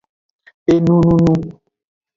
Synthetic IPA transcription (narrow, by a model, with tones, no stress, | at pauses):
e˨nũ˦nũ˦nũ˦